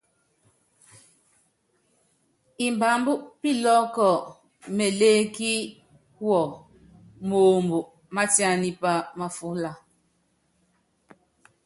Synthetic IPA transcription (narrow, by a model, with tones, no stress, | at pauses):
i˨m˨ba˨mbu˦ʔpi˦lɔ˦kɔ˨ | me˨leː˦ki˦ | wɔ˨ | mo˨mbu˨ʔ | ma˦ti˦a˦ni˦pa˦ma˨fu˦la˦